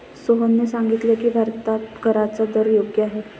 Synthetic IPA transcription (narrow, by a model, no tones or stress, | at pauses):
soɦonːesaŋɡit̪lekibʱaɾt̪at̪ɡʱəɾat͡sad̪əɾjoɡjəaɦe